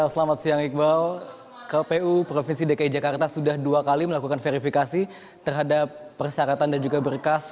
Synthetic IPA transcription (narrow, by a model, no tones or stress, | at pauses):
asəlamat̪̚siaŋik̚bal | kapeupɾofinsidakaid͡ʒakart̪asudahduakaliməlakukanfeɾifikasi | t̪ərɦadapːərsaɾat̪andand͡ʒuɡabərkas